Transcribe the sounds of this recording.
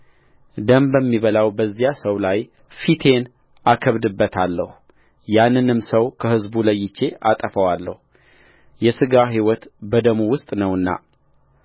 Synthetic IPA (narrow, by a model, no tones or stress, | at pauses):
d̪əmbəmːiβəlawbəzːijasəwlaj | fit̪ʰe̞n | akʰəβd̪ɨbːət̪ʰalːəhu | janːɨnɨmsəwkʰəhɨzbuləjːɪt͡ʃːe̞ʔat̪ʼəfəwalːəhu | jɛsɨɡaɦiwɔt̪bəd̪əmuwʊst̪ʼnəwɨnːa̰